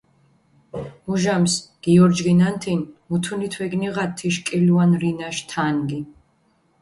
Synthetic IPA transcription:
muʒamsɡ̥iɔɾd͡ʒʁinant̪ʰinmut̪ʰunit̪ʰwɛɡniʁat̪ʰːiʃkʼiluanɾinaʃt̪ʰanɡi

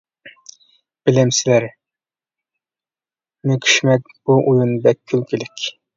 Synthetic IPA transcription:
b̥ɪlɪmsɪlæɾ | nɪkʲʰy̥ʃmɛk̚ʲb̥uʔujunbɛkʲʰːylkʲʰilɪkʲ

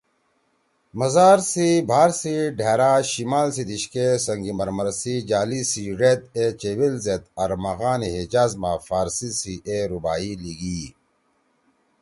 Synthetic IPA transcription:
mɐzaːɾsibʱaːɾsiɖʱeːɾaːɕimaːlsid̪iɕkesɐŋɡimɐɾmɐɾsid͡ʑaːlisiɾet̪̚et͡ɕewilzet̪ɐɾmɐɣaːniɦed͡ʑaːzmaːfaːɾsisiʔeɾubaːiliɡi

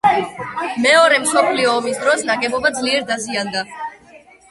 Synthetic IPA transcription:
mɛɔɾɛmsɔpʰliɔːmisd̪ɾɔsnaɡɛbɔbad̪zliɛɾd̪aziand̪a

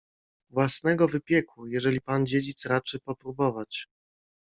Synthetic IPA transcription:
vwasnɛɡɔvɘpʲjɛkujɛʐɛlʲipand͡ʑed͡ʑit̪sɾat͡ʂɘpɔpɾubɔvat͡ɕ

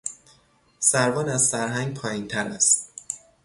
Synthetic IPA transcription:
sæɾvɒːnæzsæɾɦæŋɡpʰɒːjint̪ʰæɾæst̪

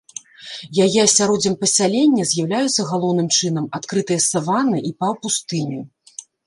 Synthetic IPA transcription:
jajɛsʲaɾɔd͡zʲɐmpɐsʲalʲenʲːɐzʲjawlʲajut̪sːɐɣalˠɔwnɨmt͡ʂɨnɐmat̪kɾɨt̪ɨjɐsavanɨʔipɐwpust̪ɨnʲi

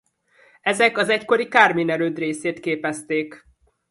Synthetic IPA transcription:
ɛzɛkɒzɛcko̞ɾikaːrmiːnɛɾøːd̪reːseːt̪keːpɛst̪eːk

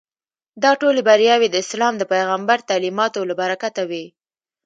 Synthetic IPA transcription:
d̪ɑʈolebaɾjɑwed̪əɪslɑmd̪əpajɣambaɾt̪alimɑt̪olabaɾakat̪awi

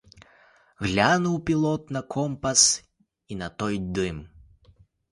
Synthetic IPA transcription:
ɣlʲanuwpʲilˠɔt̪nɐkʰɔmpɐs | inɐt̪ɔjd̪ɨm

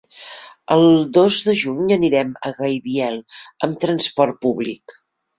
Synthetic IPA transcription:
əlˠd̪ozðəʒuɲəniɾɛmə̰ɣəjβiɛlˠəmt̪ɾənspɔr̚puβlik

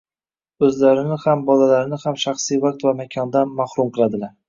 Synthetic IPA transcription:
ɵzlaɾɪnɪhambɒlalaɾɪnɪhamʃaχsijvaq̚t̪vamakʲʰɒnd̪anmahɾʊmqʰɨlˠad̪ɪlaɾ

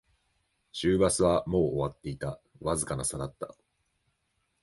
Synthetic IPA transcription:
ɕɨːbat͡sɨβamo̞ːoβat̪ːe̞it̪a | βazɨkanasad̪at̪ːa̰

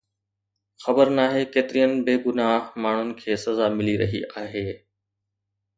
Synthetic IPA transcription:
xɐbəɾnaːɦekeːt̪ɪɾijənɪ̆beːɡʊnaːɦmaːɳ̤ʊnɪ̆kʰeːsɐzaːmɪliɾɐ̰ɦḭaːɦeː

